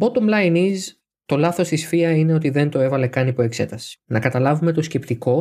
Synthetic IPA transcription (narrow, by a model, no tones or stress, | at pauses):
bo̞t̪omlɐjniz | t̪o̞lɐθo̞st̪isfiɐine̞o̞t̪iðe̞nt̪o̞e̞vɐle̞kɐnipo̞e̞kse̞̰t̪ɐsi̥nɐkɐt̪ɐlɐvume̞t̪o̞sce̞pt̪iko̞